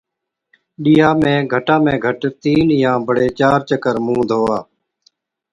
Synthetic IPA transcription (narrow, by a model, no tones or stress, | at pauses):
ɗiːjɦaːmẽːɡʱəʈãːmẽːɡʱəʈt̪iːnjãːbʱəɽeːt͡ʃaːɾt͡ʃəkəɾmũːd̪ʱɦoːaː